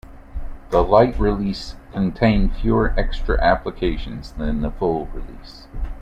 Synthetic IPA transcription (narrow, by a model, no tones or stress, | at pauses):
ðəlaɪʔ̚ɹiliskʰɨ̃n̩tʰẽɪ̃nfjʊəʔɛkstɹ̥ɨ̰ʔæpləkʰeɪʃɨ̃nzðɨ̃nðəfʊlˠɹɪlis